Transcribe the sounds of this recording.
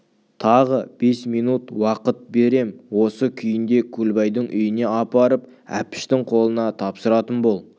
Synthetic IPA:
t̪ʰɑʁəb̥e̞smijnut̪wɑqət̪̚be̞ɾe̞mwo̞səkʲʰʏjɪnd̪e̞kʲʰulbɑjd̪əɴʔʏ̰jɪne̞ɑpɑɾəp | æ̰pɪ̥ʃt̪ɪŋqʰo̞lˠənɑt̪ʰɑpsəɾɑt̪ənbo̞lˠ

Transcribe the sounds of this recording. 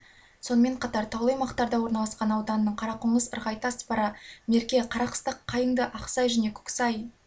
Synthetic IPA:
so̞nəme̞ɴqʰɑt̪ɑɾt̪ʰɑwlˠɑjmɑqt̪ɑɾd̪ɑwo̞ɾnɑlˠɑsqɑnɑwd̪ɑnəːəɴqʰɑɾɑqʊɴəzəɾʁɑjt̪ɑspɑɾɑme̞ɾkʲe̞qʰɑɾɑqə̥st̪əqʰːɑjəŋd̪əʔɑqsɑjʒæne̞kʲʰʏ̥ksɑj

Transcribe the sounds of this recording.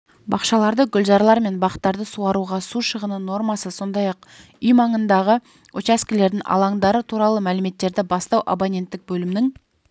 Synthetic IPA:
bɑqʃɑlˠɑɾd̪əɡʲʏlʒɑɾlˠɑɾme̞nbɑqə̥t̪ːɑɾd̪əsuɑɾuʁɑsuʃəʁənəno̞rmɑsəso̞nd̪ɑjɑq̚ | ʏjmɑɴənd̪ɑʁə | ot͡ʃæskʲɪle̞ɾd̪ɪŋʔɑ̰lˠɑŋd̪ɑɾət̪ʰuɾɑlˠəmælɪme̞t̪ːe̞ɾd̪ɪbɑst̪ɑwʔabonʲe̞nt̪ːɪk̚bɵlɪmɪnɪŋ

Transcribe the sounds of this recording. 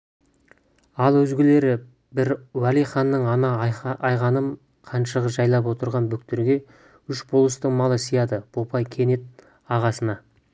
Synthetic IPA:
ɑlˠwɵzɡʲɪle̞ɾɪ | bɪɾwælijχɑnːəɴɑnɑɑjʁɑnəm | qʰɑnʃəʁəʒɑjlˠɑp̬wo̞t̪əɾʁɑnbʏk̚t̪ɪɾɡʲe̞ | ʏʃbolˠəst̪əɴmɑlˠəsijɑd̪əb̥opɑjkʲʰe̞ne̞t̪̚ | ɑʁɑsənɑ

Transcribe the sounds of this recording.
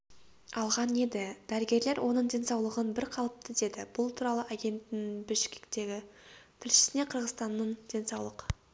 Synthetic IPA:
ɑlˠʁɑne̞d̪ɪd̪̥æɾɪɡʲe̞ɾle̞ɾwʔo̞nəɴd̪ʲe̞nsɑwlˠəʁənbɪɾqʰɑlˠəp̚t̪ʰəd̪e̞d̪ɪbʊlˠt̪ʰuɾɑlˠəʔaɡʲe̞nt̪ːɪŋbɪʃkʲɪ̥kt̪e̞ɡʲɪt̪ʰɪlʃɪ̥sɪne̞qʰəɾʁəzt̪ɑnːəɴd̥̪ʲe̞nsɑwlˠəq

